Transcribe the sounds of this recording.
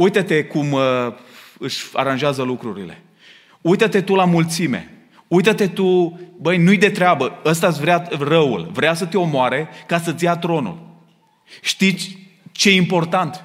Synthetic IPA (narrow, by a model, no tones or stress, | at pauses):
ujt̪ət̪e̞kum | ɨʃʲa̰ɾanʒeazəlukɾuɾile̞̰ | ujt̪ət̪e̞t̪ulamult̪sime̞̰ | ujt̪ət̪e̞t̪ubəjnujd̪e̞t̪ɾeabəəs̬t̪asʲvɾearəṵlvɾeasət̪eo̞moaɾe̞kasət̪sijat̪ɾo̞nṵl | ʃt̪isʲ | t͡ʃeimpo̞rt̪ant̪